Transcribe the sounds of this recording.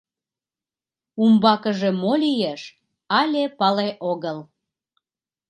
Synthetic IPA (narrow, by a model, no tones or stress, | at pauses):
umbɑkəʒemolijeʃ | ɑlʲepɑleʔoɣəl